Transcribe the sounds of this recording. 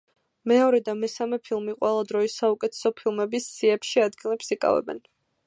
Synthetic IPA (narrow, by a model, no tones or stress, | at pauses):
mɛɔɾɛd̪amɛsamɛpʰilˠmiqʼwɛlˠad̪ɾɔisaukʼɛt̪ʰɛ̥sɔpʰilˠmɛbisːiɛpʃiad̪ɡilɛpsikʼa̰vɛ̰bɛ̰n